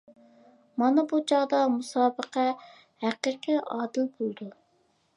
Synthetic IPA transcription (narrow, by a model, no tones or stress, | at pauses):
mɑnɑbut͡ʃɑʁd̪ɑmusɑːbəqʰɛ | hæqiːqiɑːd̪ɨlbolˠd̪u